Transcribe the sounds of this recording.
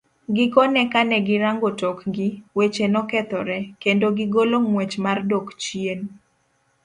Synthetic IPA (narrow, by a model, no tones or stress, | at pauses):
ɡɪkɔnɛkanɛɡɪɾaŋɡotɔkɡɪwet͡ʃenɔkɛt̪ɔɾɛkendoɡɪɡolomwet͡ʃmardokt͡ʃjen